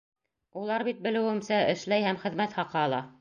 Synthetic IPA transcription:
ulˠɑɾβit̪̚bɘ̆lɘ̆wɘ̆msæʔɘ̆ʃlæjhæmχɘ̆ðmæt̪χɑqɑːlˠɑ

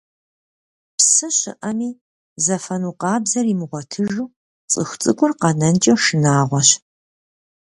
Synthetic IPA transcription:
psɨɕɪ̰ʔɐmiː | zɐfɐnuːqɑːbzɐrimɨʁʷɔtʰɨʒuː | t͡sʼɨxʷt͡sʼɨkʷʼʊrqɐnɐnt͡ʃʼɛʃɨnaːʁʷɔɕ

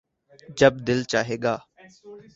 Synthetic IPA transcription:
d͡ʒəb̚d̪ɪlt͡ʃaːɦeːɡaː

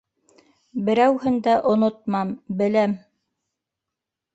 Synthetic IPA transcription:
bɘ̆ɾæwhɘnd̪æʔŏnŏt̪̚mɑmbɘ̆læm

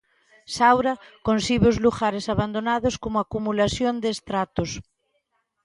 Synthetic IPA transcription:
sawɾakonsiβeozluxaɾesaβand̪onaðoskomoakumulasjond̪eːst̪ɾat̪os

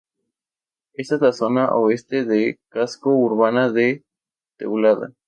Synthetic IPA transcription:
est̪azlasonaʔoest̪eðekaskouɾβanaðe | t̪ḛwlaða̰

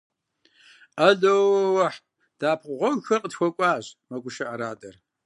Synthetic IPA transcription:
ɐɮowwɐħ | d̥aːpʰqʷʁʷɔmxɐrqətxʷɔkʷʼɑːʑmɐɡʷʊʃɐʔɐɾaːtʼɐr

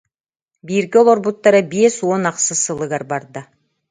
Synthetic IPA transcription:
biɾɡolˠoɾbut̪ːɑɾɯbesonɑqsɯsɯlˠɯɡaɾbɑɾd̪ɯ

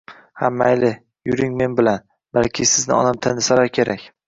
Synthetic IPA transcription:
hamːaajlɪ | jʊɾɪŋme̞nbɪlan | balkʲʰɪsɪznɪ̰ɒ̰namt̪ʰanɪsaɾaɾkʲʰe̞ɾakʲ

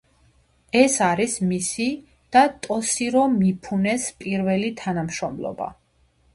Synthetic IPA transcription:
ɛsaɾismisi | d̪̥at̪ʼɔsiɾɔmipʰunɛspʼiɾvɛlit̪ʰanamʃɾɔmlˠɔ̰ba̰

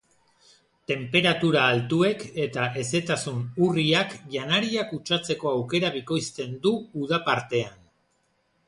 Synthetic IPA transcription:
t̪e̞mpe̞ɾat̪uɾaːlt̪ue̞ke̞t̪aʔe̞se̞t̪asunuriakʝanaɾiakut͡ʃat͡se̞ko̞awke̞ɾaβiko̞jst̪e̞nd̪uːð̞apaɾt̪e̞an

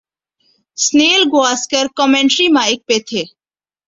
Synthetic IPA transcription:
sneːlɡoaːskəɾkɔmẽɳʈɾimaːɪk̚pet̪ʰeː

